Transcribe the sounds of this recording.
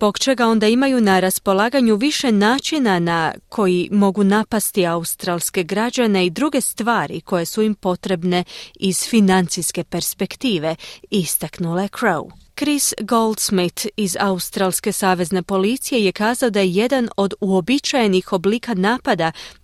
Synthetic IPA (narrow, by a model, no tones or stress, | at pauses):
zbo̞kt͡ʃe̞ɡao̞nd̪aimajunaɾaspo̞lˠaːɡaɲuʋiʃe̞naːt͡ʃinanakʰo̞jimo̞ɡunapast̪iaust̪ɾalˠske̞ɡɾad͡ʑane̞id̪ɾuɡe̞st̪ʋaːɾḭko̞je̞suimpo̞t̪ɾe̞bne̞iz̥finant̪sijske̞pe̞ɾspe̞kt̪iːʋe̞ist̪aknulekʰɾowkɾisɡo̞ld̪smit̪izaust̪ɾalˠske̞saːʋe̞zne̞po̞lit̪sije̞je̞kaːzao̞d̪ajeje̞d̪ano̞d̪uo̞bit͡ʃajenixo̞bliːkanaːpad̪a